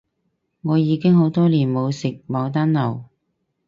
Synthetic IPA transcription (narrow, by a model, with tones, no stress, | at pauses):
ŋɔː˨˧jiː˨˧kɪ˥ŋɦo˨˥wt̪ɔː˥liː˨˩nmo˨˧wsɪ˨k̚mɐ˨˧wt̪̬aː˥nlɐ˨˩w